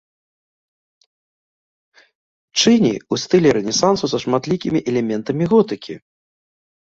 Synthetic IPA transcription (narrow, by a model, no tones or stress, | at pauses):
t͡ʂɨnʲḭust̪ɨlʲɛɾɛnʲɛsansusɐʂmat̪lʲikʲimʲiʔɛlʲɛmʲɛnt̪ɐmʲiɣɔt̪ɨkʲḭ